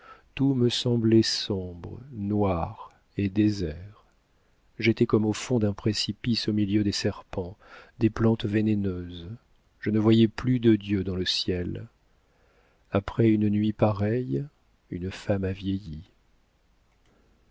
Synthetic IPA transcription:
t̪uməsɑ̃blɛsɔ̃bʁənwaʁ | ed̪ezɛʁ | ʒet̪ɛkɔmofɔ̃d̪ɛ̃pχesipisomiljød̪esɛʁpɑ̃d̪eplɑ̃t̪venenøz | ʒ̥ənəvwajɛplyd̪əd̪jød̪ɑ̃ləsjɛl | apχɛynnɥipaʁɛj | ynfamavjeji

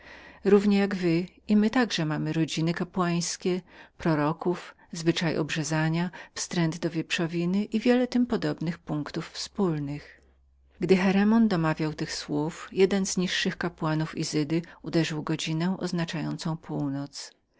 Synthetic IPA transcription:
ɾuvɲɛjaɡvɘʔimɘt̪aɡʐɛmamɘɾɔd͡ʑinɘkapwaj̃skʲɛpɾɔɾɔkuf | zvɘt͡ʂajʔɔ̰bʐɛzaɲafst̪ɾɛnd̪d̪ɔvʲjɛpʂɔvʲinɘʔivʲjɛlɛt̪ɘmpɔd̪ɔbnɘxpuŋkt̪ufːspulnɘx | ɡd̪ɘxɛɾɛmɔnd̪ɔmavʲjawt̪ɘxswufjɛd̪ɛnzɲiʂːɘxkapwanufizɘd̪ɘud̪ɛʐɘwɡɔd͡ʑinɛ̃ʔɔznat͡ʂajɔnt̪sɔ̃w̃pʰuwnɔt̪s

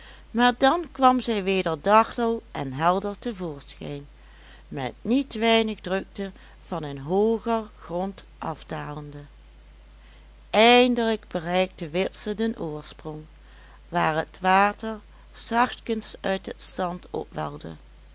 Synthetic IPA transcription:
maːɹdɑnkʋɑmzɛjʋeːdəɹdɑxtəlˠʔɛ̰nɦɛlˠdəɹtəvʊːɹsχɛjn | mɛ̰t̚nitʋɛjnəɣdrɵk̚tə | v̥ɑnənɦoːɣəɹxrɔnt | ʔɑvdaːləndə | ʔɛjndələɡbərɛjk̚təʋɪtsədənʔʊːɹsprɔŋ | ʋaːɹɦətʋaːtəɹ | z̥ɑxtkənsœɥtɦətstɑntɔ̰pʋɛ̰lˠdə̰

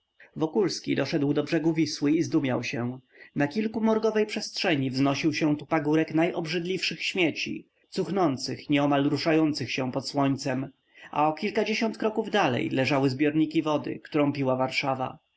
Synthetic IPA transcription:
vɔkulskʲḭd̪ɔʂɛd̪wd̪ɔbʐɛɡuvʲiswɘizd̪umʲja̰wɕɛ̃ | nakʲilkumɔɾɡɔvɛjpʂɛstʂɛɲivznɔɕiwɕɛt̪upaɡuɾɛknajʔɔbʐɘd̪lʲifʂɘxɕmʲjet͡ɕḭ | t̪suxnɔnt̪sɘxɲɛɔmalɾuʂajɔnt̪sɘxɕɛ̃pɔt̪swɔɲt̪sɛm | ʔa̰ɔkʲilkad͡ʑeɕɔnt̪kɾɔkuvd̪alɛ̰jlɛʐawɘzbʲjɔɾɲikʲivɔd̪ɘ̰kt̪uɾɔ̃w̃pʲiwavaɾʂava̰

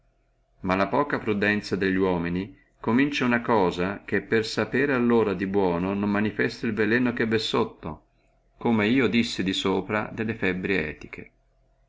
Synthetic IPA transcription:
malapɔːkapɾud̪ɛnt̪sad̪eʎːiwɔːmini | komint͡ʃaunakɔːzak̟epːersapeːɾealːoːɾad̪ibwɔːnonomːanifɛst̪ailvelɛnok̟ebɛsːot̪ːo̰ | komeiːod̪isːid̪isoːpɾa̰d̪elːefɛbːɾieɛ̰ːt̪i̥kʰḛ

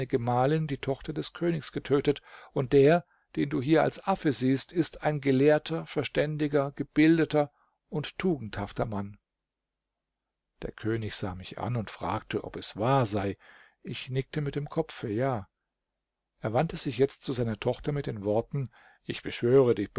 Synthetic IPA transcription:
nəɡəmaːlɪndiːtʰɔχtɐdɛskʰøːnɪçsɡ̥ətʰøːtətʔʊnt̚d̥eːɐ | d̥eːnduːɦiːɐa̰lsʔafəziːstɪstaɪnɡəleːɐtʰɐfɛɐʃtɛndɪɡɐɡ̥əb̥ɪldətɐ | ʔʊnttʰːuːɡŋ̩thaftɐman | d̥eːɐkʰøːnɪçz̥a̰ːmɪçʔa̰nʊntfʁ̥a̰ːk̚tʰəʔɔ̰pɛsv̥aːɐzaɪ | ʔɪçnɪk̚təmɪtd̥eːmkʰɔp͡fːyɐjaː | ʔeːɐvantəzɪçjɛt͡stt͡suzaɪnɐtʰɔχtɐmɪt̚d̥eːnvɔɐtn̩ | ʔɪçb̥əʃv̥øːʁ̞ədɪç

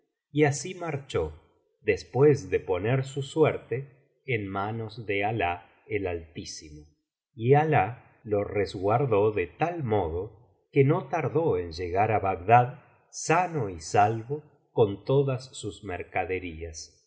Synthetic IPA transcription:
iasimaɾt͡ʃo | ðespwezðepo̞neɾs̬usweɾt̪eː | nmanozðeala | elalt̪isimo | iala | lo̞rezɣwaɾðo̞ðet̪almoðo | keno̞t̪aɾðoenʒeɣaɾaβaɡðað | sanoisalβo | kont̪oðasːusmeɾkaðeɾias

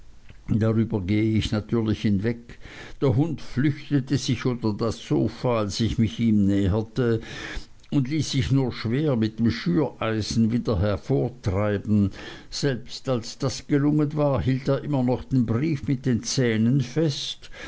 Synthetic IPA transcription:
d̥aʁyːbɐɡeːəɪçnatʰyːɐlɪçhɪnvɛkd̥eːɐɦʊntflʏçtətəzɪçoːdɐdasz̥oːfaalsɪçmɪçʔiːmnɛːətə | ʔʊndliːsːɪçnuːɐʃv̥eːɐmɪt̚d̥eːmʃyːʔaɪzn̩viːdɐɦɛɐfoːɐtʁ̥aɪbn̩z̥ɛlpstalsd̥asɡ̥əlʊŋənvaːɐhiːlteːɐʔɪmɐnɔχd̥eːnbʁiːfmɪt̚d̥eːnt͡sɛːnənfɛst

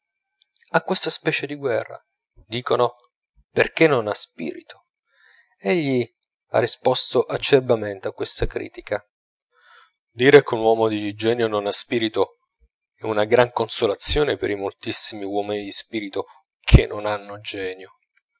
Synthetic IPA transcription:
akːwest̪aspɛːt͡ʃed̪iɡwɛrːa̰ | d̪iːkono | perk̟enːonaspḭːɾḭt̪ʰo̥ | eʎːi | a̰rːispɔst̪oʔat͡ʃːerbament̪eakːwest̪akɾḭːt̪ika | d̪iːɾekunwɔːmod̪id͡ʒɛːnjononaspiːɾit̪o | ɛunaɡɾaŋkonsolat̪sːjoːnepeɾimolt̪isːimiwɔːminid̪ispiːɾit̪o | kʰḛnʔonanːod͡ʒɛːnjo

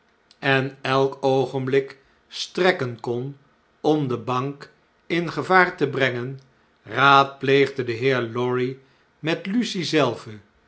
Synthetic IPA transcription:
ɛnɛlˠkowχənblɪk | strɛkənkɔn | ɔmdəbɑŋk | ɪnχəvaːɹtəbrɛŋən | raːt̚plejχdədəɦɪːɹlɔɹi | mɛtlysizɛlˠvə

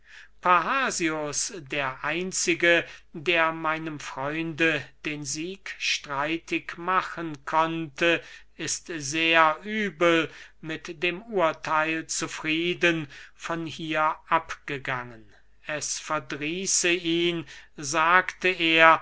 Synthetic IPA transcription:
pʰahaːziʊsdeːɐʔaɪnt͡sɪɡədeːɐmaɪnəmfʁ̥ɔʏndəd̥eːnziːkʃtʁ̥aɪtʰɪkmaχənkʰɔntʰə | ɪstzeːɐʔyːbəl̩mɪtd̥eːmuːɐtʰaɪlt͡sufʁ̥iːdənfɔnhiːɐʔapɡ̥əɡaŋən | ɛsfɛɐdʁiːsəiːnzaːktəeːɐ

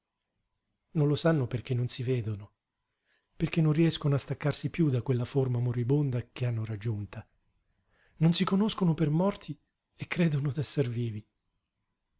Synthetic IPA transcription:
nõlosanːoperk̟enːonsiveːd̪ono | perk̟enːonriɛskonoast̪akːarsipjud̪ːakːwelːaformamoɾibond̪ak̟eanːoɾad͡ʒːunt̪a | nonsikonoskonopermɔrt̪ʰi | ekːɾeːd̪onod̪ɛsːerviːvi

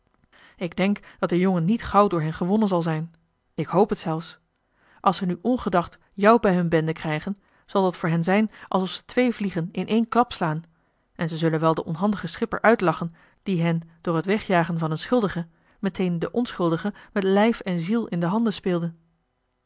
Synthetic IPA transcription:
ɪɡ̚dɛŋkd̥ɑt̚dəjoŋənːitχɑwdʊːɹɦɛnχəʋɔnənzɑlˠzɛjn | ɪkɦowpətsɛlˠfs | ʔɑlˠsənyʔɔnχədɑχt | jɑwbɛjɦɵnbɛndəkrɛjχən | z̥ɑlˠdɑtfʊːɹɦɛnzɛjnʔɑ̰lˠsɔfsə̥tʋejvliχənɪnʔejnklɑpslaːn | ʔɛnzəzɵlənʋɛlˠdəʔɔnɦɑndəχəsχɪpə̰ɹʔœɥtlɑχən | d̥iɦɛnd̥ʊːɹɦətʋɛχjaːχənvɑnənsχɵlˠdəχə | mətʰejndəʔɔnsχɵlˠdəχəmɛtlɛjfɛnzilˠɪndəɦɑndəspɪːlˠdən

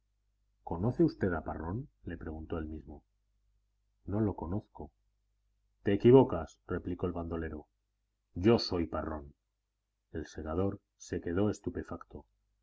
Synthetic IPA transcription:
ko̞no̞θeust̪e̞ðaparonle̞pɾe̞ɣ̞unt̪o̞e̞lmizmo̞ | no̞lo̞ko̞noθko̞ | t̪e̞ːkiβo̞kasre̞pliko̞elβand̪o̞le̞ɾo̞ | ɟ͡ʝo̞so̞jparo̞n | e̞lse̞ɣað̞o̞ɾ | se̞ke̞ð̞o̞e̞st̪upe̞fakt̪o̞

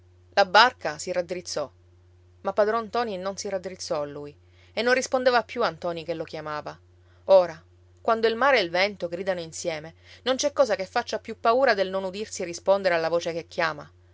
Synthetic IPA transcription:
labarkasirad̪ɾit̪sːɔ | mapːad̪ɾɔnt̪ɔːninonsirad̪ːɾit̪sːɔalːuːj | enːõnrispond̪eːvapːjuant̪ɔːnikelːokjamaːva | oːɾa | kwand̪oilmaːɾeːlvɛnt̪oɡɾiːd̪anoinsjɛːme | nont͡ʃɛkːɔːzakefːat͡ʃːapjupːauːɾad̪elnonud̪irsierːispond̪eɾealːavoːt͡ʃekekːjaːma

